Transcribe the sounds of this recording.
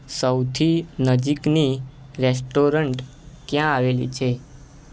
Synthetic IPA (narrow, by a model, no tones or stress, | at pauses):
səwt̪ʰinəd͡ʒikni | ɾes̬ʈoɾəɳʈ | kjãaʋelḭt͡ʃʰe